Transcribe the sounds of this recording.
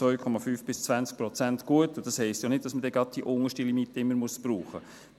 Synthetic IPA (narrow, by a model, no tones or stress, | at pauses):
vœʏkʰɔmɑfyːfb̥ɪst͡svænt͡sk̚pɾɔt͡sæntɡ̥uətʊnd̥ɑshɛɪstjanɪd̚d̥ɑsmədɛɡɑd̚d̥iʔʊŋəʃtilimitəɪmːəɾmuəsb̥ruːχə